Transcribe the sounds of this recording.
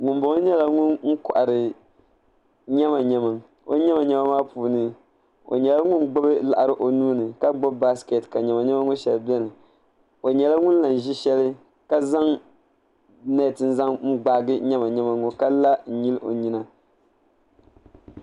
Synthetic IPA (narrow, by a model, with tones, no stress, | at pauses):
ŋʊ˨mbo˨ŋ˦ɲɛ˦la˦ŋʊ˦nŋ̩˦kɔ˨ʔa˨ɾɨ˨ | ɲɛ˦ma˨ɲɛ˨mɨ˨ŋ | o̰˦ɲɛ˦ma˨ɲɛ˦ma˦maː˦puː˨nɨ˦ | o̰˨ɲɛ˨la˦ŋʊ˦nɡ͡bo˦bɨ˦la˨ʔa˨ɾɨ˨ʔo˨nuː˦nɨ˨ka˦ɡ͡bo˦bba˦ske˨tka˨ɲɛ˨ma˨ɲɛ˦ma˦ŋo˦ʃɛ˨lbɛ˦nɨ˨ | o˨ɲɛ˨la˦ŋʊ˦n˦la˨n˨ʒi˦ʃɛ˦lɨ˦ | ka˦za˦ŋ | nɛ˦˨tɨ˨n̩˦za˦ŋŋ̩˦ɡ͡ba˦ɡɨ˦ɲɛ˦ma˨ɲɛ˦ma˨ŋo˨ka˦la˦n̩˨ɲi˦lʔo˨ɲi˦na˦